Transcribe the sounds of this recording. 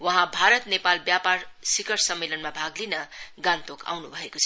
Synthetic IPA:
wʌɦãbʱaɾʌt̪nepalbjaparsikʌɾsʌmːelʌnmabʱaɡlinʌɡãnt̪oka̰wnubʱʌekot͡sʰʌ

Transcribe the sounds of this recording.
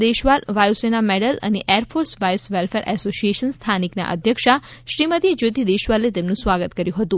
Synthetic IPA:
d̪eʃʋalʋajusenameɖələ̰neʔɛɾfʰoɾsʋajsʋelfeɾʔɛ̰sosijeʃənst̪ʰanikna̰ʔə̰d̪ʱjəkʃaʃɾimət̪ied͡ʒot̪id̪eʃʋalet̪emnũsʋaɡət̪kəɾjũɦət̪ũ

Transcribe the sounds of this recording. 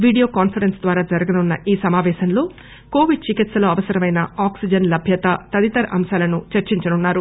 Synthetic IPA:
ʋiːɖijo̞ːkaːnpʰɐɾensd̪ʋaːɾaːd͡ʒɐɾɐɡɐnunːɐʔiːsɐmaːʋɛːʃɐnlo̞ː | ko̞ːʋiɖ̚t͡ʃikit̪sɐloːɐʋɐsɐɾɐmɐjnɐaːksid͡ʒɐnlɐbʱjɐt̪ɐt̪ɐd̪it̪ɐɾɐʔɐ̰mʃaːlɐnut͡ʃɐɾt͡ʃiɲt͡ʃɐnunːaːɾu

